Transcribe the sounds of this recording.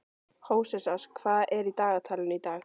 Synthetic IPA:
hoːwsɛsaskʰvaːðɛɾit̪aːɣat̪ʰaːlɪnit̪aːɣ

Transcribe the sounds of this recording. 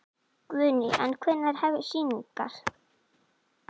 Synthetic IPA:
kvʏːnɪʔɛ̰nkʰɛnːaɾ̥hɛvɪsiːniŋka̰ɾ̥

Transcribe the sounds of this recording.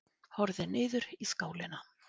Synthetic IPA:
hɔɾðɪnɪːðʏɾiskaːwlɪna

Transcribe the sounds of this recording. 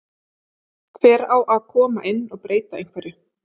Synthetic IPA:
kʰvɛːɾawʔaðkʰɔːmaʔɪnːɔɣpɾʔeːjt̪aḛ̃jŋkvaɾɪ

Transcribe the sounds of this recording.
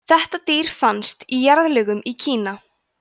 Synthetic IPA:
θɛht̪at̪iːɾ̥fanst̪ijaɾðlɛɣʏmicʰiːna

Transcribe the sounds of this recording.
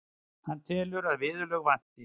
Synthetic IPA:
hanːt̪ʰɛːlʏɾaðvɪːðʏlœɣvan̥t̪ɪ

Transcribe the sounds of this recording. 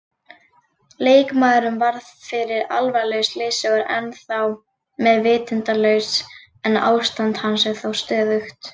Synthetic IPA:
leːjkmaːðɾʏmvaɾðfɪɾɪɾa̰lvalœɥsleːsʏɣaɾɛ̰nθaw | mɛðvɪːt̪ɪnt̪alœːɥs | ɛna̰ːwst̪ant̪hansɛɣθawst̪œːðʏxt̪

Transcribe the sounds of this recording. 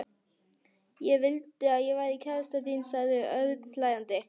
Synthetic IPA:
jɛɣvɪlt̪ɪaðjɛɣvaːɾðicʰaːlast̪at̪insaɣðɪœðklaːjant̪ɪ

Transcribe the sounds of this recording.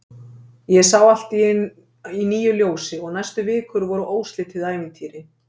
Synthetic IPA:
jɛsawal̥t̪i | iniːjʏljoːwsɪɔɣnajst̪ʏvɪːkʏɾvɔɾʏʔoːwst̪lɪt̪ʰɪðaːjmɪt̪ʰiːɾɪ

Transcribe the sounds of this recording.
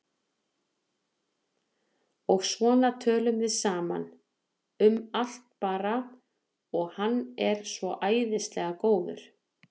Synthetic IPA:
ɔɣsvɔːnat̪ʰœːlʏmvɪðsaːma̰n | ʏmal̥t̪̚paːɾa | ɔɣhanːɛɾ̥svɔʔaːjðɪst̪lɛɣakoːwðʏ̰ɾ̥

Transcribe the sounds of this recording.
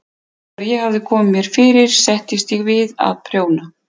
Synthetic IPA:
aɾjɛɣhavðɪkʰɔːmɪmjɛɾ̥fɪːɾɪɾ̥sɛht̪ɪst̪jɛɣvɪða̰ðpʰɾjoːwna

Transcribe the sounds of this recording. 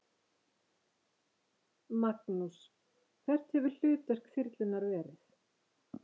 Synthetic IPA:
maknus | kʰθɛr̥t̪hɛvʏɾ̥l̥ʏːt̪ɛr̥kfɪɾt̪lɪnːaɾvɛːɾɪθ

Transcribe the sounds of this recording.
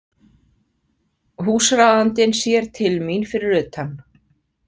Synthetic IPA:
ɦuːsɾawðant̪ɪnsjɛɾ̥t̪ʰɪlminfɪɾɪɾʏːt̪hanː

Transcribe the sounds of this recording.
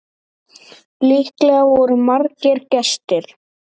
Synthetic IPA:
lihklɛɣavɔɾʏmaɾcɪɾcɛst̪ɪɾ̥

